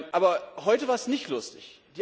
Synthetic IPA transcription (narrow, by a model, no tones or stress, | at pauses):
ʔaːbɐhɔʏtəvaːɐɛsnɪçtlʊstɪçd̥iː